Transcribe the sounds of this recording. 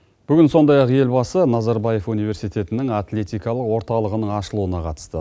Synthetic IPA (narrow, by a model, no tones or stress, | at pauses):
b̥ʏɡʲɪnso̞nd̪ɑjɑqje̞lbɑsənɑzaɾbɑje̞funijve̞ɾsijt̪e̞t̪ɪnɪŋat̪lʲe̞t̪ijkɑlˠəqwo̞ɾt̪ɑlˠəʁənəɴɑʃəlˠuənɑqʰɑt̪ə̥st̪ə